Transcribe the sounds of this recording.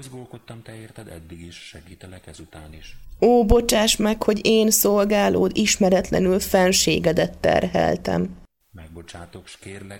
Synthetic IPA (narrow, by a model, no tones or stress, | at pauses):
ozɡoːlkot̪ːɒmt̪ɛeːrt̪ɛd̪ɛ̰d̪ːiɡiʃʃɛɡiːt̪ɛlɛkɛzut̪aːniʃoːbo̞t͡ʃaːʃmɛkho̞ɟeːnso̞lɡaːlo̰ːd̪iʃmɛɾɛt̪lɛ̰nylfɛnʃeːɡɛd̪ɛt̪ːɛ̰rɦɛ̰lt̪ɛ̰m | mɛɡ̚bo̞t͡ʃaːt̪o̞kʃkeːrlɛ